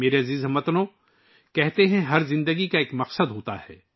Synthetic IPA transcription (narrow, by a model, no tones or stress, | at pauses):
meːɾeɐziːzɦɐmət̪nõ | kɛɦt̪eɦɛ̃ɦɐɾzɪ̃nd̪əɡikaeːkmɐqsəd̪ɦoːt̪ahɛ̰ː